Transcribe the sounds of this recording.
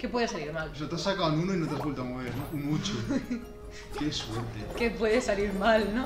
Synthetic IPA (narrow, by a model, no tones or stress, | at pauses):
kepweðesaliɾmalʃot̪asːakand̪unoinõnt̪askult̪amoβeɾnõunut͡ʃu | keswɛɾt̪ekepweðesaliɾmalnõ